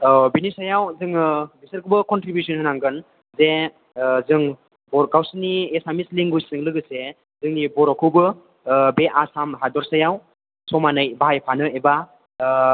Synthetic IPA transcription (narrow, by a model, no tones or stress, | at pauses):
binisajawzɯŋɯbisɯɾkɯbɯkɔntɾibjusɔnhɯnaŋɡɯn | ze | zɯŋ | bɔɾɡawsiniesamisliŋɡujsɯŋlɯɡɯse | zɯŋnibɔɾɔkʰɯbɯ | beʔasamɦadɔɾsajaw | sɔmanɯjbaɦajpʰanɯeba